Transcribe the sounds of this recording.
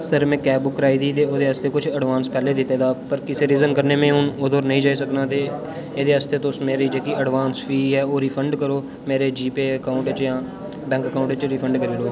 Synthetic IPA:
səɾmɛ̃ːkɛːbʊkːɾaːiːd̪iːt̪eːoːd̪eːɦəst̪eːkʊt͡ʃʰəɖʋaːnspɛːleːd̪ɪt̪ːeːd̪aːpəɾkɪseːɾiːzənkəɾneːmẽːɦʊnoːd̪oːɾnəɦĩːd͡ʒaːisəknãːt̪eː | eːd̪eːɦəst̪eːt̪ːsmeːɾiːd͡ʒeːkiːʔəɖʋaːnsfiːɛːoːɾiːpʰəɳɖkəɾoː | meːɾeːd͡ʒiːpeːəkaːʊ̃ɳʈt͡ʃjãː | bɛ̃ːŋkəkaːʊ̃ɳʈt͡ʃɾiːpʰəɳɖkəɾiːɾoː

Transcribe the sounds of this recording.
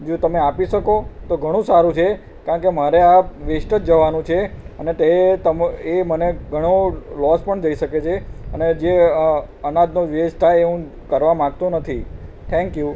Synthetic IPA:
d͡ʒot̪əmeapiʃəkot̪oɡʱəɽ̃ũsaɾũt͡ʃʰe | kãɳkemaɾeaʋeʃʈət̪d͡ʒəʋanũt͡ʃʰeənet̪et̪əmeməneɡʱəɽ̃olɔspəɳd͡ʒəiʃəket͡ʃʰeəned͡ʒe | ənad̪noʋesʈ̪ʰaeũ | kəɾʋamãɡ̚t̪ũnət̪ʰi | ʈ̪ʰɛ̃ŋkju

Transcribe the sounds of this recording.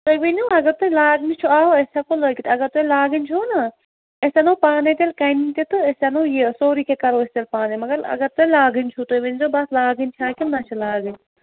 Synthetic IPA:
t̪oʋinuɐɡɐɾt̪olaːɡnit͡ʃʰuaːɦoesʲakoləːkit̪ɐɡɐɾt̪oilaːɡɨnʲt͡ʃʰoːna | esʲenoːpaːnet̪ʲelkɐnit̪ʲit̪ɨesanojesoːɾikʰekɐɾoːest̪elpaːnemɐɡɐɾɐ̰ɡɐɾt̪olaːɡɨnʲt͡ʃʰut̪ojʋinʲzobɐslaːɡɨnʲt͡ʃʰaːkinɐt͡ʃʰulaːɡɨnʲ

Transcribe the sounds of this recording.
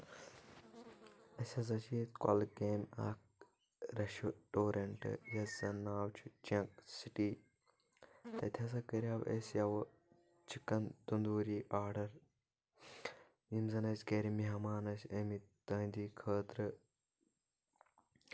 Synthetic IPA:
ɐsʲɐzɐt͡ʃiːt̪kɐ̰lɡeːna̰ːk̚ | ɾɐʃuʈoːɾɐɳʈɨ̰jɐzɐnaːwt͡ʃʰut͡ʃɐksiʈiː | t̪ɐt̪ʲʰɐs̬ɐkəɾʲaːwʔesjɐw | t͡ʃʰikɐnd̪und̪uːɾiːʔaːɾɖɐɾ | jimzɐnɐsʲkeːɾimiɦɐmaːnɐsʲɐmit̪ɐːnd̪iːkʰəːt̪ɾɨ

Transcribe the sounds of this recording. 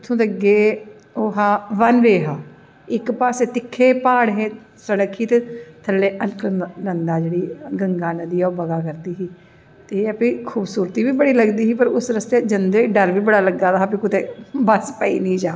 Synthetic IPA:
t̪ʰõːd̪əɡeː | oːɦaːʋənʋeːɦaː | ɪkpaːseːt̪ɪkʰːeːpaːɽɦẽː | səɽəkʰːiːt̪eːt̪ʰəlːeːʔəlkʰnənd̪aːd͡ʒeːɽiːɡəŋɡaːnəd̪iːɛːoːbəɡaːkəɾd̪iːɦiː | t̪eːəpiːkʰuːbsuːɾt̪iːʋiːbəɽiːləɡd̪iːɦiːpəɾʊsɾəst̪eːd͡ʒənd̪eːɖəɾʋiːbəɽaːləɡaːd̪aːɦːpikʊt̪eːbəspəḭːnĩːd͡ʒaː

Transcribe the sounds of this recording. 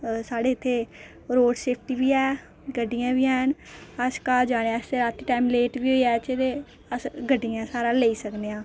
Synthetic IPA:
saːɽeːɪt̪ʰːeː | ɾoːɖseːpʰʈiːʋiːɛː | ɡəɖːɪjãːʋiːɛːɦənəd͡ʒkaːd͡ʒaːɽ̃eãseɾaːt̪ːiːʈaːimleːʈʋiːɦoiːɛːt͡ʃeɾe | əsɡəɖːɪjãːsaːɾãːləiːsəkd̪eːãː

